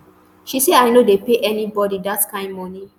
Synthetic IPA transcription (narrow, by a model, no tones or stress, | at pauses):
ʃiseaɪnodepeʔɛnibɔdidatkãɪ̃nmɔni